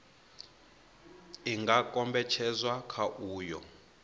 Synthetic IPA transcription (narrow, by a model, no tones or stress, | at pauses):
iŋɡakʼɔmbɛt͡ʃʰɛzwakʰaʔuːjɔ̰